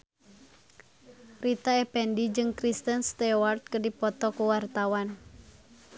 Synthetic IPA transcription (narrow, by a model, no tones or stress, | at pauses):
rit̪aɛpɛndid͡ʒɨŋkɾist̪ənst̪ɛwart̪̚kədipɔt̪ɔkuwart̪awan